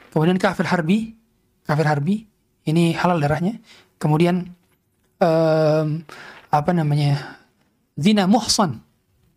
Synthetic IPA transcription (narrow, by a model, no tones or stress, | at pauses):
kəmudiankafɪrharbi | kafɪrɦarbi | inihalaldaɾahɲa | kəmudian | əmapanamaɲa | zinamʊhsan